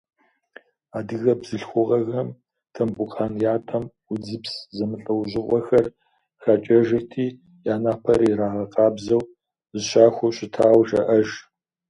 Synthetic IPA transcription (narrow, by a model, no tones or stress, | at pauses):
aːdɨɣɐbz̥ɨɬxʷʊʁɐɣɐm | tʰɐmbʼʊqʼaːnjaːtʰɐm | ʊd͡zɨpszɐmɨɬʼɐwʑɪqʷʼɔxɐr | xat͡ʃʼɐʒɐtʰiː | jaːnaːpʰɐɾiɾaːʁɐqɑːbzɐw | zɨɕaːxʷʊɕʼɪtʰaːwʒɐʔɐʒ